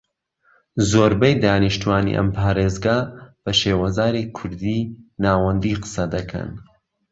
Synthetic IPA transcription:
zoːɾbɐjd̪aːniʃt̪uwaːnḭʔɐ̰mpʰaːɾeːzɡab̥ɐʃeːwɐzaːɾikʰʊɾd̪iːnaːwɐnd̪iːqɨ̥sɐd̪ɐkʰɐ̰n

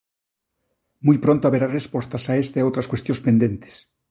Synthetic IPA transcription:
mujpɾõnt̪oaβeɾarespost̪asaest̪aeowt̪ɾaskwest̪jõnspend̪ent̪e̥s

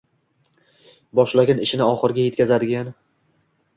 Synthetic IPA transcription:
bɒʃlaɡʲanɪʃɪnɪɒχɨɾɪɡʲaje̞t̪̚kʲazad̪ɪɡʲan

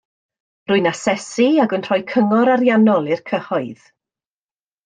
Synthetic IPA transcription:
rʊɨnasɛsiaɡənr̥ɔjkʰəŋɔɾaɾjanɔlˠɪrkʰəhɔɨð̥

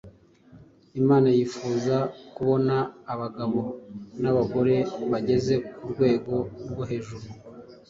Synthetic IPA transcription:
imaːnajifuːzakuβo̞naːβaɡaβo̞naβaɡo̞ɾe̞βaɟe̞ze̞kuɾɡwe̞ːɡo̞ɾɡwoɦe̞ːʒuɾu

